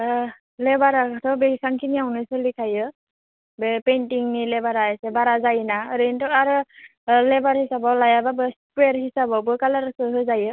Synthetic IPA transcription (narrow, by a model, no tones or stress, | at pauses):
lɛbaɾakatʰɔbeisaŋkʰiniawnɯsɯlikʰajɯ | bepentiŋnilɛbaɾaajsɛbaɾazajnaɾentɔaɾɯlɛbaɹhisabawlajababɯspweɹhisabawbɯkalaɾasɯɦɯzajɯ